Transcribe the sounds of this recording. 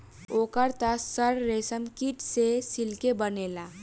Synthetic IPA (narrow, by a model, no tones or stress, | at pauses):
oːkəɾt̪asəɾːesəmkiʈsesilkebənela